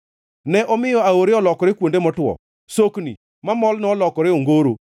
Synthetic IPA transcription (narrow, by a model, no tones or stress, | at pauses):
nɛʔɔmɪjɔaoɾeɔlɔkɔɾɪkwondemɔtwɔ̰ | soknḭ | mamɔlnɔlɔkɔɾɪoŋɡoɾo